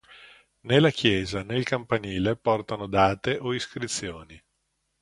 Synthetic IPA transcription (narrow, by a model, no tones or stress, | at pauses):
nelːakjɛːzanelkampaniːlepɔrt̪anod̪aːt̪eʔoiskɾit̪sːjoːni